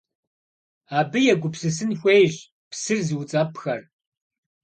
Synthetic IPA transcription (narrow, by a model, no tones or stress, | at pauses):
aːbɨjɛɡʷʊpsɨs̬ɨnxʷejʑ | psɨrziwt͡sʼɐpʰxɐr